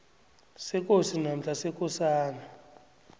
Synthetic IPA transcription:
sɛk̬ʼosinam̩ɬasɛk̬ʼɔsaːna

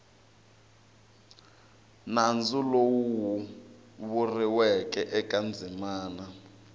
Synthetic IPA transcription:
nand͡zulowwu | βuriwɛk̬ʼɛʔɛkʼand͡zʱimaːna

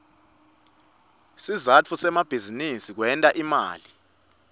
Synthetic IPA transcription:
sizat͡fʰusɛmab̥ʱizinisik̬wɛntʼaʔima̰ːli

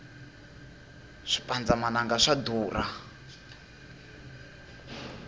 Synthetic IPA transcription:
ʂi̥pʼand͡zamanaŋɡaʂad̪uːra

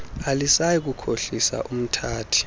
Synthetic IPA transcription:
alisajik̬ukʰoɬisa̰ʔum̩tʰaːtʰi̥

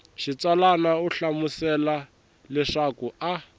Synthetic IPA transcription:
ʃit͡swalanauɬamusɛla | lɛʂakua

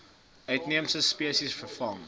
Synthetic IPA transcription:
ʔœɥtniəmsəspiəsisfəfɐŋ

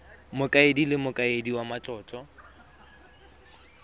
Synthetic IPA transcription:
mʊkʼaedilɪmʊkʼaediwamat͡ɬʼɔːt͡ʃʼɔ

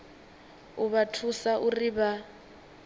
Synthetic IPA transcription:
uβatʰusaʔuriβa

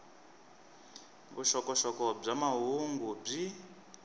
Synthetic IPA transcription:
βuʃɔkɔʃɔkɔb͡ʐamaɦuŋɡub͡ʐi

